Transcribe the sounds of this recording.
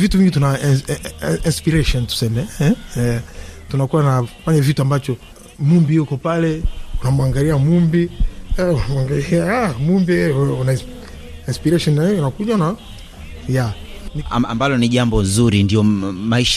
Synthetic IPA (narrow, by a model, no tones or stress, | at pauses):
vituviŋɡituna | inspiɾɛʃɔntu̥sɛmɛ | tunakuwanafaɲavituambat͡ʃɔ | mumbijukɔpalɛunamuaŋɡaliamumbiunamaŋɡaliaamumbiuna | inspiɾɛʃɔnanakuʄana | ja | nia̰mbalɔniʄambɔnzuɾindiɔmaiʃa